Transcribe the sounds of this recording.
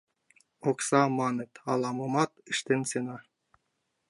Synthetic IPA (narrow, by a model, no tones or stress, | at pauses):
oksɑmɑnĕt̪ɑlɑmɤmɑt̪əʃt̪ensenɑ